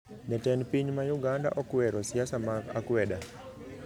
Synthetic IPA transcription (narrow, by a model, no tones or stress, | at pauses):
nɛtɛnpiɲmajuɡanda̰ʔɔkwɛɾɔsiasamakakwɛɗa